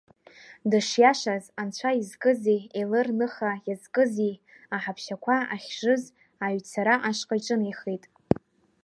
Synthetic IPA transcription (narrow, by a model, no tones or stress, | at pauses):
dɨʂjaʂazant͡ɕʷʰaizkʼɨzielɨrnɨχajazkʼɨzi | aħapʰʃakʷʰaaχʲʒɨz | aɥt͡sʰaɾaʔaʂqʼaʈ͡ʂʼɨnejχijtʼ